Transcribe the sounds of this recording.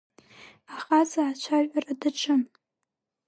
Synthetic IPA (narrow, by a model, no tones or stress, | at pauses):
aχazaːt͡ʃʷʰaʒʷᶣʼaradaʈ͡ʂʰɨm